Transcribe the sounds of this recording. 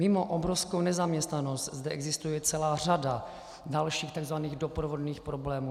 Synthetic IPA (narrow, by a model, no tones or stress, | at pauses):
mɪmo̞ʔobɾofskownɛzamɲɛst̪nano̞st̪zdɛʔɛɡzɪst̪ujɛt͡sɛlaːr̝ada | dalʃiːxt̪aɡzvaniːɣdopɾovo̞dniːxpɾoblɛːmuː